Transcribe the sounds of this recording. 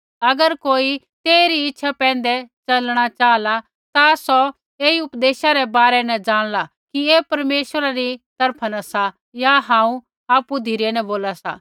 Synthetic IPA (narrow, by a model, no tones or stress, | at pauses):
ɐɡəɾkoːi | t̪eːɾiɪtːʃʰapɛ̃ːn̆d̪ɛt͡ʃɐlɽ̃at͡ʃaːla | t̪asɔ | eːiʊpd̪eːʃaɾɛbaːɾɛnɛ̃d͡ʒaːɽ̃la | kiepɐɾmeːʃwəɾaɾit̪ɐɾpʰanasa | jaɦãːũ | aːpud̪ʱiɾenɛ̃boːlasa̰